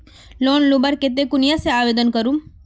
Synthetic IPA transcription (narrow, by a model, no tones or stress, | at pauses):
loːnlubəɾket̪̬ekʊnjaseaːʋeːd̪ənkəɾũm